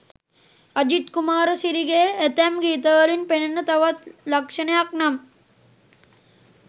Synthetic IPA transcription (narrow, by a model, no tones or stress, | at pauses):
ɐd͡ʒit̪kumaːɾɐsiɾiɡeːet̪ɐmɡiːt̪ɐɡɐlinpenɐnɐt̪ɐʋɐt̪lɐkʂɐnɐjɐk̚nɐm